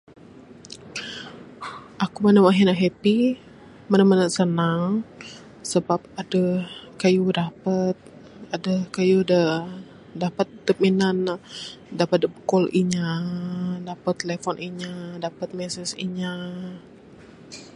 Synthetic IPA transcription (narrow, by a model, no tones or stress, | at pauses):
ʔakumanamaɦinaɦepi | mənamənəsənaŋ | səbap̚adəhkajudapət̪̚ | adəhkajudə | dapət̪̚dəp̚minan | dapət̪̚dəbəkɔlʔiɲa | dapət̪ːelefɔnʔiɲadapət̪̚mɛsɛsḭɲa